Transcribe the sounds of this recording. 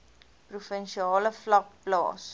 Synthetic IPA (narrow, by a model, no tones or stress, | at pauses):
prufənʃiɑːləflɐk̚plɑ̰ːs